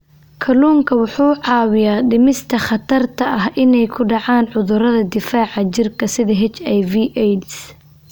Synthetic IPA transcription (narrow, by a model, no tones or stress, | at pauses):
kʰɐluːŋkʰɐwʊħuːʕɑːwɪjaːɖɪmɪst̪ʰɐχɑt̪ʰɐrt̪ʰɐʔɐɦʔɪnɛjkʰʊɖɑʕaːnʕʊðʊɾɐðɐd̪ɪfaːʕɑt͡ʃɪrkʰɐsɪðɐɦɛt͡ʃɛjviːʔɛs